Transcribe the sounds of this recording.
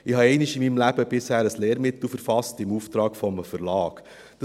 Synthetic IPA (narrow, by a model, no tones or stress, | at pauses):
ɪhɑɛɪnɪʃɪmiːmlæb̥əb̥ɪshæːɾəsleːɾmɪt̪l̩fəɾfɑstɪmuːft̪ɾɑːkfɔmfəɾlɑːk | d̥ɑ